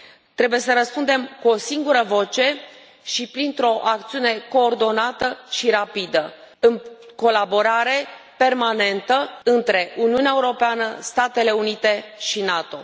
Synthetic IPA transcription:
t̪ɾe̞buje̞səɾəspund̪e̞mkuo̞siŋɡuɾəvo̞t͡ʃe̞ | ʃipɾint̪ɾo̞ʔak̚t̪siune̞ko̞ːrd̪o̞nat̪əʃiɾapid̪ə | ɨnko̞labo̞ɾaɾe̞pe̞rmane̞nt̪əɨnt̪ɾe̞ʔuniuneaeuɾo̞peanəst̪at̪e̞le̞unit̪e̞ʃinat̪o̞

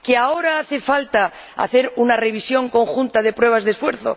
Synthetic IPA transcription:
keao̞ɾaaθe̞falt̪a | a̰θe̞ɾunare̞β̞isjo̞ŋko̞ŋxunt̪að̞e̞pɾwe̞β̞azðesfwe̞ɾθo̰

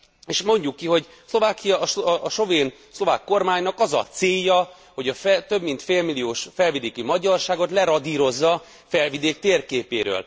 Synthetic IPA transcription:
eːʃmo̞ɲɟukːiɦo̞ɟ | slo̞vaːkijɒʔʃo̞veːn | slo̞vaːkːo̞rmaːɲnɒkɒzɒ̰t̪seːjːɒ | ho̞ɟɒft̪ø̞bmint̪feːlmilioːʃfɛlvid̪eːkymɒɟɒrʃaːɡo̞t̪lɛɾɒd̪iːɾo̞zːɒ | fɛlvid̪eːk̚t̪eːrkeːpeːɾø̰ːl

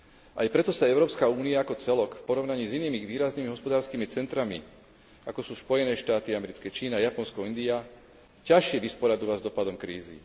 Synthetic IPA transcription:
ʔajpɾɛt̪ɔsaɛʊɾɔːpskauːniaakɔt͡sɛlɔkfpɔɾɔʊnaɲiːziniːmiʋiːɾaznimiɦɔspɔd̪aːɾskiːmit͡sɛnt̪ɾamḭ | akɔsuːspɔjɛnɛːʃt̪aːt̪iamɛɾit͡skɛt͡ʃiːnaajapɔnskɔind̪ia | caʃɪɛʋispɔɾad̪uʋazd̪ɔpad̪ɔmkɾiːzḭ

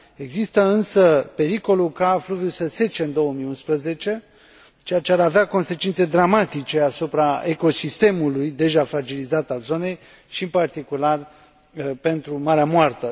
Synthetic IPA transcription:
e̞ɡzist̪əɨnsəpe̞ɾiko̞lukafluvjusəse̞t͡ʃeɨnd̪o̞wəmijunspɾəze̞t͡ʃe̞ | t͡ʃejat͡ʃeaɾaveako̞nse̞t͡ʃint̪sed̪ɾamat̪it͡ʃe̞asupɾaeko̞sist̪e̞mulujd̪e̞ʒafɾad͡ʒilizat̪alzo̞ne̞j | ʃiɨmpart̪ikular | pe̞nt̪ɾumaɾeamoart̪ə

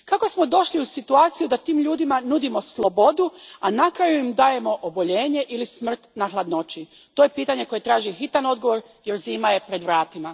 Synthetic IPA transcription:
kako̞smo̞d̪o̞ʃliusit̪uaːt̪sijud̪at̪iːmʎuːd̪imanud̪imo̞slˠo̞bo̞d̪uanakɾajuimd̪aːje̞mo̞ʔobo̞ʎe̞ːɲe̞ʔilismr̩t̪naxlˠad̪no̞t͡ʃi | t̪oːje̞piːt̪aɲe̞ko̞je̞t̪ɾaːʒixit̪ano̞d̪ɡo̞ʋo̞ɾ | je̞ɾziːmaje̞pɾe̞d̪ʋɾaːt̪ima

